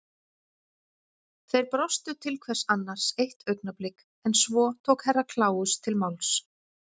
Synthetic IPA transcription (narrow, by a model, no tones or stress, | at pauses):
θejɾpɾɔst̪ʏt̪ʰɪlkʰvɛr̥sanːaɾ̥sejht̪œɥknaplɪk | ɛnsvɔːt̪ʰowkhɛrːakʰlaːwʏst̪ʰɪlmawls